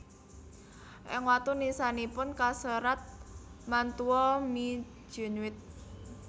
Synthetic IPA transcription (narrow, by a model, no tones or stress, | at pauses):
ʔɪŋwat̪unisanipʊnkasəɾat̪̚mant̪uɔmid̥ʒ̥ṳnwɪt̪̚